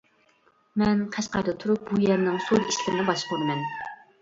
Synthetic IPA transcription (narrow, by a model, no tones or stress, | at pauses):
mɛnqʰæʃqɑɾd̪ɨt̪ʰuɾup̚bujɛɾnɪŋsud̪i̥ʃlɪɾnɪbɑʃqʰonɨmɛn